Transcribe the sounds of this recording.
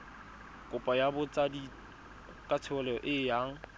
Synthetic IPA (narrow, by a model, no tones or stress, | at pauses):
kʼʊpʼajabʊt͡sʼadi | kʼat͡sʰɪʊlɛɔʔɪjaːŋ̩